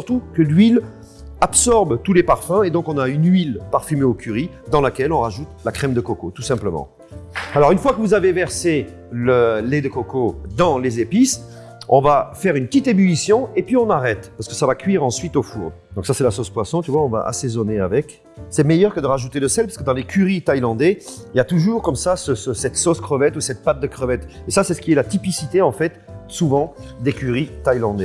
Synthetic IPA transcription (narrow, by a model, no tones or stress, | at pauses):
syʁt̪ukəlɥil | apsɔʁbt̪ulepaʁfɛ̃ed̪ɔ̃kɔ̃naynɥilpaʁfymeokʲʰyʁi | d̪ɑ̃lakʲɛlɔ̃ʁaʒut̪lakχɛmd̪əkɔkot̪usɛ̃pləmɑ̰̃ | alɔʁynfwakəvuzavevɛʁse | ləlɛd̪əkɔkod̪ɑ̃lezepis | ɔ̰̃vafɛʁynpət̪it̪ebylisjɔ̃epɥiɔ̃naʁɛt̪paʁsəkə̥savakʲɥiʁɑ̃sɥit̪ofṵʁd̪d̪ɔ̃ksasɛlasospwasɔ̃t̪yvwaɔ̃va̰ʔa̰sezɔneavɛk | sɛmɛjœʁkəd̪əʁaʒut̪ed̪əsɛlpaʁsəkəd̪ɑ̃lekʲʰyʁit̪ajlɑ̃d̪ɛiljat̪uʒuʁkɔmsasəsəsɛt̪soskχəvɛt̪usɛt̪̚pat̪̚d̪əkχəvɛt̪esasɛsə̥kʲiɛlat̪ipisit̪eɑ̃fɛt̪suvɑ̃d̪ekʲyʁit̪ajlɑ̃d̪ɛ